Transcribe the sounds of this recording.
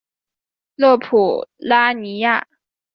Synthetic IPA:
lɤ˥˩pʰu˨˩la˥ni˧˥ja̰˥˩

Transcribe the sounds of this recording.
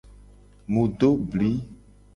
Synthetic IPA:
mũ˨ɖo˦bli˨˦

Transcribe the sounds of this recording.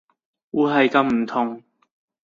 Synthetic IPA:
uː˨˧ɦɐ˨jkɐ˧mm̩˨˩t̪ʰʊ˨˧ŋ

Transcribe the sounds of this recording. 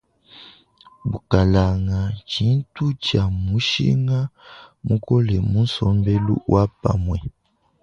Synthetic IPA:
bu˨ka˨la˨ŋa˨t͡ʃi˨˦n˦tu˦t͡ʃa˨mu˨˦ʃḭ˦ŋa˦mu˦kɔ˦lɛ˨mu˦n̩˦sɔ˦mbɛ˦lṵ˦wʔa˦pa̰˨mwɛ˨

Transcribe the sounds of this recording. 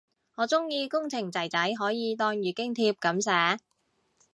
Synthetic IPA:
ŋɔː˨˧˥t͡sʊ˥ŋjiː˧kʊ˥ŋt͡sʰɪ˨˩ŋt͡sɐ˨˩jt͡sɐ˨˥jɦɔː˨˥jiː˨˧t̪ɔː˧ŋjyː˨kɪ˥ŋt̪ʰiː˧p̚kɐ˨˥msɛː˨˥

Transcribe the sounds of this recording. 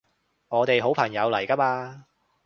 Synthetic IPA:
ŋɔː˨˧t̪e˨jɦo˨˥wpʰɐ˨˩ŋjɐ˨˧wlɐ˨˩jka˥paː˧

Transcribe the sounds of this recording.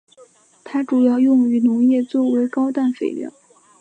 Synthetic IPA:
t̪ʰa˥ʈ͡ʂu˨˩jɑ˥˧ʊjʊ˥˩ŋy˧˥nʊ˧˥ŋjɛ˥˧t͡swɔ˥˩we˧˥ɪkɑ˥ʊt̪a˥˩nfe˨˩ɪljɑ̰˥˩˦ʊ

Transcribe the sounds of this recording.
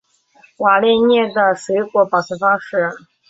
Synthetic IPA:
wa˨˩lɛ˥˧ɪnjɛ˥˩d̪ə˩swe˧˥kwɔ˧˥pɑ˨˩t͡s̩ʰ˧˥˩fɑ˥ŋʂɻ̩˥˩

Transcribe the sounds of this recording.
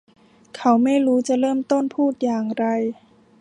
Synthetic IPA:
kʰa˧˩wma˥˨jɾuː˧˦˥t͡ɕa˧˦lɤː˥˩˨mt̪o˥˨npʰuː˥˩t̪̚jaː˨˩ŋɾa˧j

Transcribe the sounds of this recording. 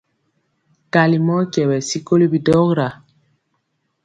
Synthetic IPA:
ka˨li˨mɔ˦kɛ˨wɛ˨si˦ko˦li˦bi˨dɔ˦ɣɾa˨

